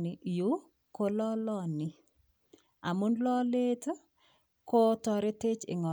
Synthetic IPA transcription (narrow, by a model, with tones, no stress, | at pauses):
nɪ˨ʔju˦ | ko˦lɔ˦lɔ˦˨nɪ˨ | a̰˨mʊ˦ndlɔ˦le˦t | ko˦tɔ˨ɾe˦te˦t͡ʃɪ̰˨ŋɔ˨